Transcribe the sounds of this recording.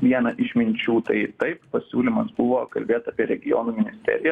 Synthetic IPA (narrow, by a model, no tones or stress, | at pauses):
ʋʲiɛnɐʔɪʃʲmʲɪnʲt͡ʃʲuːt̪ɐɪt̪ɐɪppɐsʲuːlʲɪmɐsbʊʋoːkɐlʲbʲeːt̪ɑːpʲiɛɾʲɛɡʲɪjo̰ːnuːmʲɪnʲɪsʲt̪ʲɛ̰ːɾʲɪjɛ